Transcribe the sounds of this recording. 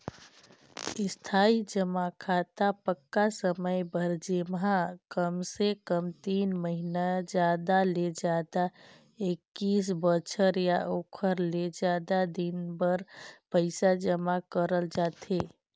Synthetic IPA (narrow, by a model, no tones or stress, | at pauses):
ɪst̪ʰaid͡ʒəmakʰat̪apəkːasəməjbʱəɾd͡ʒemɦakəmsekəmt̪inməɦinad͡ʒad̪aled͡ʒad̪a | ekːis̬bət͡ʃʰəɾjaʔokʰəɾled͡ʒad̪ad̪inbəɾpəɪsad͡ʒəmakəɾəld͡ʒat̪e